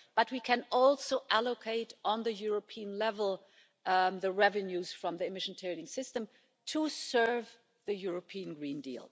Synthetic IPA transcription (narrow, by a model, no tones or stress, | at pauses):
b̥ʌt̚wikʰɨ̃nɔlˠsoʊʔælokʰeɪɾʔn̩ðɨjʊɹəpʰiə̃nlɛvəl̩ˠ | ðɨɹɛvɨ̃njuz̥fɹʌ̃mðiɨmɪʃn̩tʰeɪɾɪ̃ŋsɪstə̃m | tʰəsɜ˞v | ðɨjʊɹəpʰiɨ̃nɡɹĩndḭlˠ